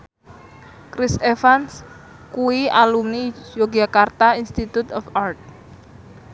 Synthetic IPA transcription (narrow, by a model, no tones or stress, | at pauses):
kɾisefans | kuwialumnijoɡakart̪ainst̪it̪ut̪ɔfart̪̚